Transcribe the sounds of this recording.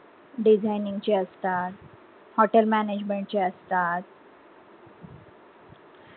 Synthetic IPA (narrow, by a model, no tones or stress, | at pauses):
ɖid͡ʑʱajnĩŋɡt͡ɕeəst̪at̪ | hɔʈelmæned͡ʑmeɳʈ̚t͡ɕeəst̪at̪̚